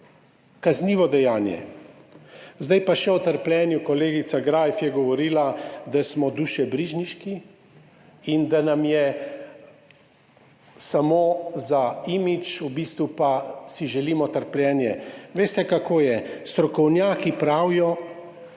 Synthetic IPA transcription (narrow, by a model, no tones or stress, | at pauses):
kazniːʋɔd̪ɛjaːnjɛ̰ | zd̪ajpaʃɛɔt̪əɾplʲjɛːnjukɔleːɡit̪saɡɾaːjfjɛɡɔʋɔɾiːlad̪asmɔd̪uːʃɛbɾiːʒniʃki | ind̪anamjɛ | samozaiːmit͡ʃubiːst̪ʋupasiʒɛliːmɔt̪əɾplʲjɛːnjɛʋeːst̪ɛkakoːjɛst̪ɾɔkɔwnjaːkipɾawjɔ